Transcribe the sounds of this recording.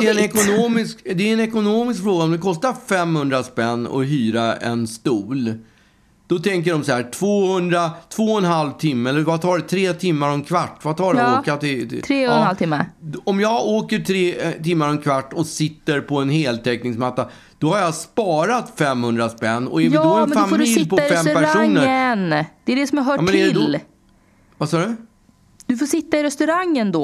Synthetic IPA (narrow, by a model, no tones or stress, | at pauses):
ɛɛnɛkʊnoːmɪskd̪ɛɛnɛkʊnoːmɪs̬kfɾoːɡaɔmd̪ɛkʰɔst̪aɾfɛmhɵnd̪ɾaspɛnːɔ̰ɦyːɾaɛ̰nst̪uːl | d̪̥ɔt̪ʰɛŋk̬əɖɔmsahæːʈʰv̥oːhɵnd̪ɾat̪ʰvoːɛnɦalvt̪ʰɪmːəɛlːəɾvat̪ʰɑːɖɛt̪ʰɾeːt̪ʰɪmːaɾɔnkʰvaʈːvat̪ʰɑːɖɛoːkat̪ɪt̪ʰɾːnhalt̪ɪmːaɔmjɑːɡoːkəʈʰɾeːt̪ɪmːaɾɛnkʰvaʈːɔsɪt̪ːəɾpʰɔɛnheːlt̪ʰɛknɪŋsmat̪ːa | d̪̥ɔhaɾjaspɑːɾat̪fɛmhɵnd̪ɾaspɛnːɔ̰j̪ːhaɾɛmdfamfoːdɪlɪpʰɔːaɛmpæɾʂauːŋːəɾənd̪̥ɛɛɖɛsɔmaɾɦœːmʰnɛɛlː | vasɑːɖɵ | d̪ɵfoːʂɪt̪ːaɪɾɛst̪ɵɾaŋːənd̪ɔ